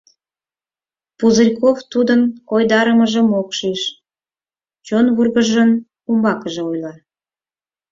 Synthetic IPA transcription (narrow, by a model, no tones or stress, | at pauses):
puzɨrʲkoft̪ud̪ənojd̪ɑɾəməʒə̆mokʃiʃ | t͡ɕonβurɣəʒən | umbɑkəʒeojlɑ